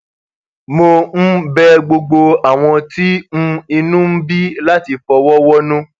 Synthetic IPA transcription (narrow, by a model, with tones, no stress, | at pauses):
mo˧n̩˦bɛ˦ɡ͡bo˧ɡ͡bo˧a˨w̃ɔ̃˧ti˦m̩̃˦i˧nũ˦m̩˦bi˦la˦ti˧fɔ˧wɔ˦wɔ˦nũ˦